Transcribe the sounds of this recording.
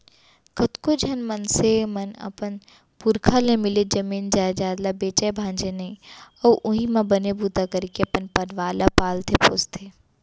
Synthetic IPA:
kʰɐt̪kod͡ʒʱɐnmɐnsemɐnɐ̰pən | pʊɾkʰalemɪled͡ʒɐmiːnd͡ʒaːd͡ʒaːd̪labeːt͡ʃajbʱãːnd͡ʒenẽɐːʔʊɦimãbɐnebuːt̪akəɾkeɐpənpɐɖʋaːlapaːlt̪ʰepost̪ʰeː

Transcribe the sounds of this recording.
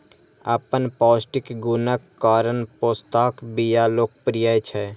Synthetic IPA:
əpənpɔːsʈɪkɡunəkːaːɾənpoːst̪aːkbijaloːk̚pɾijəjt͡ʃʰɛ

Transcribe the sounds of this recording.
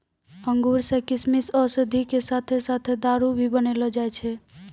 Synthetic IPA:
əŋɡuɾsekismisɔsəd̪ʱikesat̪ʰesat̪ʰed̪aɾubʱibənelɔd͡ʒajt͡ʃʰɛ

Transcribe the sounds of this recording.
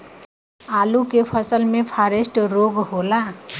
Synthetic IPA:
aːlukepʰəsəlmẽpʰaːɾesʈɾoɡɦoːla

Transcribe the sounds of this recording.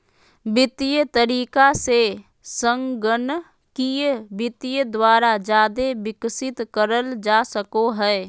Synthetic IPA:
bɪt̪ijət̪əɾiːkase | sə̃ŋɡən | kibɪt̪ijəd̪waːɾad͡ʒaːd̪ebɪksɪt̪kəɾəld͡ʒaːsəkoɦɛː

